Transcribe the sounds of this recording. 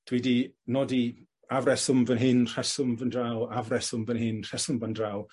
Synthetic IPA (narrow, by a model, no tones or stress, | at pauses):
d̥ʰwidinɔdi | avɾɛsʊmvənɦɪnr̥ɛsʊmvəndrawavrɛsʊmvənhɪnr̥ɛsʊmvəndraw